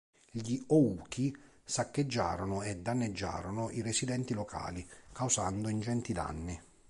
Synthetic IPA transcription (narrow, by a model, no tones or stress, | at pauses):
ʎiɔuːkʰi | sakːed͡ʒːa̰ːɾonʊɛd̪ːanːed͡ʒːa̰ːɾonʊʔiresid̪ɛnt̪ilokʰa̰ːlikawsand̪ʊind͡ʒɛnt̪id̪a̰nːi